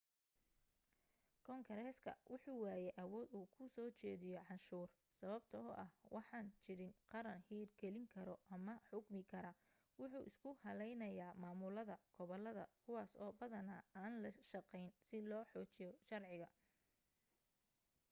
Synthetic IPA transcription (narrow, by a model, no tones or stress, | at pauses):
kʰɔŋɡɐɾɛskʰɐ̰wʔʊħuːwaːjɛʔɐwɔːd̪uːkʰʊsɔːt͡ʃɛːðɪjɔʕɑnʃuːr | sɐβɐbt̪ʰɐɔʔɐhwʔɑħɑːnt͡ʃɪɾɪnqɑɾɐnhiːrɡɛlɪŋkʰɐɾɔʔɐmɐħʊɡmɪkʰɐɾɐ | wʊħuːʔɪskʰʊhɐlɛjnɐjaːmaːmʊlɐðɐɡ̥ɔβɔlɐðɐ̰kʰʊwɑːsɔːbɐðɐnaːaːnlɐʃɑqɛjnsɪlɔːħɔːt͡ʃɪjɔʃɐrʕɪɣɐ